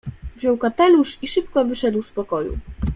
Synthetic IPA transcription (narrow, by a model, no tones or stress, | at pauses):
vʑɔwkat̪ɛluʂiʂɘp̚kɔvɘʂɛd̪wspɔkɔjṵ